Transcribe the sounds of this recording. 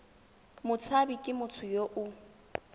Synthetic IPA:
mʊt͡sʰabikʼɪmʊt͡sʰʊjoʔʊ

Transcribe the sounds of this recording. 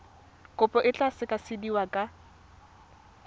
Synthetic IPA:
kʼʊpʼɔʔɪt͡ɬʼasɪkʼasɪdiwakʼa

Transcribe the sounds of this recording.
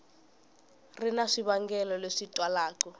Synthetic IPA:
rinaʂiβaŋɡɛlɔleʂitʼwalaːkɔ

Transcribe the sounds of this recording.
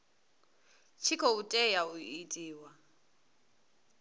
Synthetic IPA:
t͡ʃʰikʰɔutʼɛjaʊitʼiːwa

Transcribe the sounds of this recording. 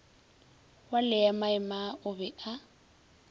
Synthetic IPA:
walɪjamaɪmaʔʊbɛʔa

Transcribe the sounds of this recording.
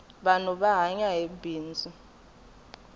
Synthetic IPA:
ɓanuɓaɦaɲaɦebʱiːnd͡zʱʼu

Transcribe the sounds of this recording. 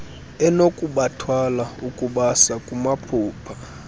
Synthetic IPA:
ɛnokʼuɓatʰwalaukʼuɓasakʼumapʰuːpʰa

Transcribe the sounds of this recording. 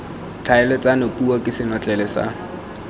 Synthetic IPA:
t͡ɬʰaɛlɔt͡sʼanopʼuakʼɪsɪnɔt͡ɬʼɛlɛsa̰

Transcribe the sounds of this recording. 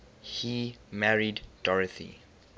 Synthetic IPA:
himæɹiddɔɹəθḭ

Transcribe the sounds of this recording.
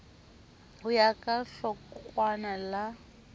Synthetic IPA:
hʊjakʼaɬɔkwanala

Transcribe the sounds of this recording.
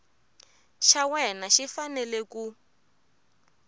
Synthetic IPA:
ʃawɛnaʃifanɛleku

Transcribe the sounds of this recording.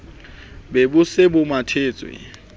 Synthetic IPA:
bebʊsɪbʊmatʰeːt͡sʼwɪ̰

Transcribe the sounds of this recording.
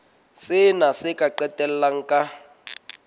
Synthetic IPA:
sɪnasɪkʼaǃɛtʼɛl̩laŋ̩kʼa

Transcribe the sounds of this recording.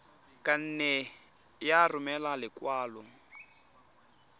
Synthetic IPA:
kʼan̩ːnɛ | jarʊmɛlalɪkwaːlʊ

